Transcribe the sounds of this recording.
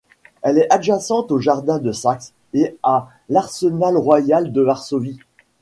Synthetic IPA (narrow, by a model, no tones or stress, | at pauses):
ɛlɛaʒasɑ̃t̪oʒaʁd̪ɛ̃d̪əsaks | ea | laʁsənalʁwajald̪əvaʁsovi